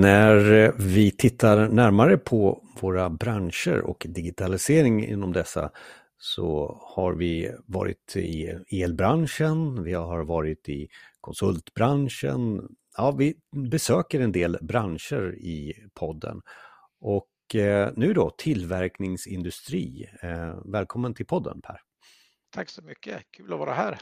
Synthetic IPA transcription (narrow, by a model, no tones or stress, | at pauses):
næɾvɪt̪ʰɪt̪ʰːaɾnæɾmaɾəpʰɔvoːɾabɾanʂə̰ɾɔ̰kd̪ɪɡɪt̪ʰalɪseːɾɪŋɪ̰nːɔmd̪ɛsːa̰ | sɔ̰haɾvɪvɑːɾɪ̰t̪ɪeːlbɾanʂənvɪhaɾvɑːɾɪt̪ɪkʰɔnsɵlt̪bɾanʂə̰n | jɑːvɪbɛsøːkəɾɛnd̪eːlbɾanʂəɾɪpʰɔd̪ːə̰n | ʔɔk | nʉ̟ːd̪ɔt̪ʰɪlvæɾknɪŋsɪnd̪ɵst̪ɾḭː | vɛːlkʰɔmːənt̪ʰɪlpʰɔd̪ːə̰npʰæ̰ːɾ | t̪ʰaksɔmʏkːəkʰʉːlɔvɑːɾahæːɾ